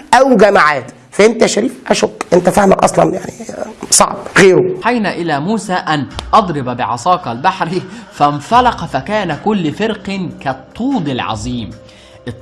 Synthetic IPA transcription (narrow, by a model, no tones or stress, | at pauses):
ʔæwɡæmaʕaːd̪ | fæhemt̪æʃæɾiːfʔæʃokːʔent̪æfahmækʔɑ̰sˤlɑnjaʕnisˤɑ̰ʕbɣeːɾuħajnæʔɪlæːmuːsaːʔanʔɑd̪ˤɾɪbabɪʕɑ̰sˤɑːkɑlbaħɾifænfɑlɑqɑfækæːnækʊlːfeɾqkæt̪ˤːuːd̪ɪlʕɑ̰zˤiːm | ʔ